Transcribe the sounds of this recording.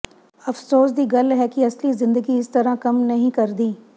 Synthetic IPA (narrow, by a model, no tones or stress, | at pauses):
ɐfsoːs̬d̪iːɡɐlɦɛkiɐslizɪ̃nd̪əɡiɪst̪ɐɾãkɐmnɐɦĩkɐɾd̪iː